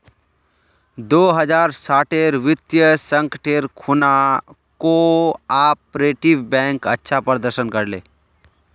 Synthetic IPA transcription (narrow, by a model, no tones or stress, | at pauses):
d̪oːɦəd͡ʒaːɾsaːʈeɾʋɪt̪jəsə̃ŋkəʈʰeɾkʰuna | koaːpɾeːʈɪʋbɛ̃ːŋkətːʃʰapəɾd̪əɾʃənkəɾleː